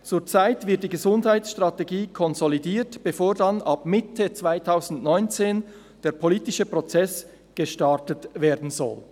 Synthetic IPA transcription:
t͡suːt͡saɪtvɪt̚d̥iːɡəzʊndhaɪtsʃtʁ̥ɑteɡiːkʰɔnzolidiːtb̥efoːɾdɑnʔɑpmɪtʰət͡sv̥aɪtʰaʊzn̩tnɔʏnt͡seːn | d̥eːɐpʰoliːtɪʃəpʁɔt͡sɛs | ɡ̥əʃtɑtətveːdn̩zɔ̰l

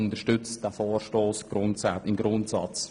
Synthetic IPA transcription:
ʊntəʃtʏt͡std̥æfoːrʃtoːsɡ̥ɾʊntsaɪmɡɾʊntsɑ̰t͡s

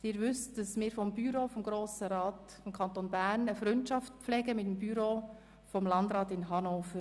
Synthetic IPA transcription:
d̥ɪːɾʋʏstd̥ɑsmɪːɾfɔmbyɾofɔmɡɾoːsəɾɑːt | fɔmkʰɑntonbæɾnəfɾʏntʃɑftpp͡flɛɡəmɪtəmbyɾoː | fɔmlɑndɾɑːtɪnɦɑnoːfəɾ

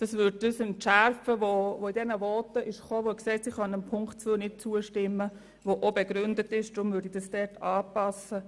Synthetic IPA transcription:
d̥ɑsʋʏd̚dəsɪnʃæɾfəʋoʋoidɛnəvɔːtəʔɪʃχoːʋoksɛːtsiχɑnəmpʰʊŋktt͡suːnɪt̚t͡suəʃtɪmːə | ʋoʔobɛɡ̥ɾʏndətɪʃd̥ɾʊmvʏɾdid̥ɑsd̥ɛɾtɑːpɑsə

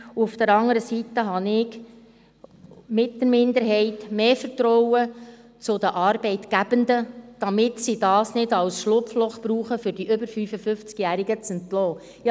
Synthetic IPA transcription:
uufd̥̪əɾɑŋəɾəsitːəɦɑnɪɡ | mɪtdəɾmɪnd̪əɾɦɛɪtmeːfəɾtɾɔwə | t͡sʊd̪əʔɑːɾbɛɪtɡ̥æb̥ənd̪əd̥ɑmɪtsidɑːsnɪdɑwsʃlʊpflʊχpɾuːχəfʏɾdiʔʏbəɾfyfəfʏft͡skjæːɾiɡət͡sənt̪lɔː | jɑ

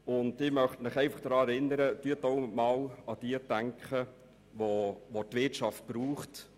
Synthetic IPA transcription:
ʊndɪmœχtmɪχɛɪfɑχd̥ɾɑːɛɾɪnːəɾət̪yət̪oʊmɑːlɑd̥iətæŋkχə | ʋoʋotvɪtʃɑft̚b̥ɾuːχt

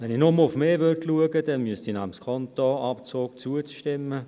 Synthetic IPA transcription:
ʋɛninɔməlʊfmeːvʏrtluəɡədɛnmyəstinɑχəmskʰɔntɔɑpt͡soːkt͡suət͡sʃtɪmːə

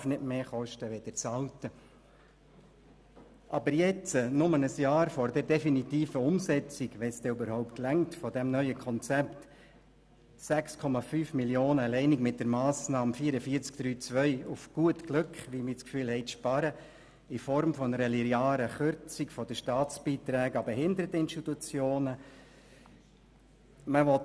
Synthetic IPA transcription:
fnɪdmeːχɔʃtəʋɛd̥̪ət͡sɑltə | ʔɑbəɾjɛt͡sənʊmənəsjɑːɾfɔɾdɛɾdɛfinitiːfəʊmsɛt͡sɪɡʋɛsd̥ɛybəɾhɔʊptlæŋtfɔdɛmnœʏəkʰɔnt͡sɛpt | sækskʰɔmɑfyːfmiljoːnəlɛɪniɡmɪt̚d̥ɛɾmɑːsnɑːmfiːɾəfiəɾt͡skd̥ɾyːt͡sʋœʏufɡ̥uətɡ̥lʉkχʋimit͡skfyːlhɛɪʃpɑɾə | ifɔɾmfɔnəɾəliɾjaːɾəχøɾt͡sikfɔd̥əʃtɑːt͡sb̥iːt̪ɾɛːɡɑbɛɦɪndəɾətəɪnʃtitut͡sjoːnə | məʋɔt

